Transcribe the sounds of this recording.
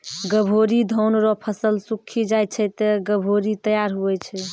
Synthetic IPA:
ɡəbʱoɾid̪ʱɔwnɾɔpʰəsəlsukʰːid͡ʒaj̪̚t͡ʃʰɛt̪ɛɡəbʱoɾit̪əjaɾɦuɛt͡ʃʰɛ

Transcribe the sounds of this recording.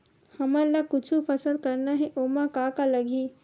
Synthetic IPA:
hɐmələɡ̚kʊt͡ʃʰupʰɐsəd̪̚kɐɾnaɦɛʔoːmakaːkalɐɡʱiː

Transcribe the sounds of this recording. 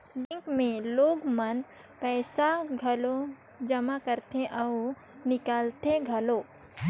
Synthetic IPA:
ɖɪ̃ŋkmẽloːɡmɐn | pɛːsaɡʱɐlo | d͡ʒɐmakəɾt̪eʔɐ | nɪkaːlt̪eɡʱɐloː

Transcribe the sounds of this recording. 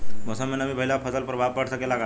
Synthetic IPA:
mɔsəmːenəbibəɦilapʰəsəlpɾbʱab̚bəʈʰsəkelaɡa

